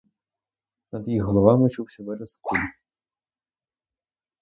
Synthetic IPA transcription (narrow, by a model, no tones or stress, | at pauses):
nɐd̪jixɦɔlˠɔʋɑmɪt͡ʃuwsʲɐʋɛɾɛskulʲ